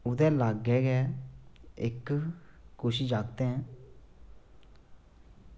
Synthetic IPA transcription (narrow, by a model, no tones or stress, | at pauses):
ʊd̪ɛ̃ːlaːɡɛːɡɛː | ɪ̰kː | ʊʃiːd͡ʒaːk̚t̪ẽːɛ̃ː